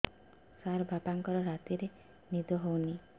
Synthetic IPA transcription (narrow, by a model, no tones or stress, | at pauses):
saɾɔbʱapaŋkɔɾɔɾat̪iɾe | nid̪ɔɦowni